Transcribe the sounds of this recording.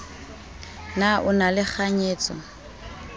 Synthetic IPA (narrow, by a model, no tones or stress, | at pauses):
naʔʊnalɪχʰaɲeːt͡sʼɔ̰